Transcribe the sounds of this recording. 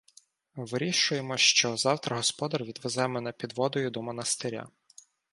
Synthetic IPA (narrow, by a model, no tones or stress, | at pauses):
ʋɪɾʲiʃʊjemɔʃt͡ʃɔzɑwt̪ɾɐɦɔspɔd̪ɐrʋʲid̪ʋezɛmɛnɛpʲid̪ʋɔd̪ɔjʊd̪ɔmɔnɐst̪eɾʲa̰